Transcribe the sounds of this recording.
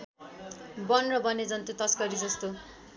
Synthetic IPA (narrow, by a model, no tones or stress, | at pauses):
bʌnrʌbʌned͡zʌnt̪ut̪ʌskʌɾid͡zʌst̪o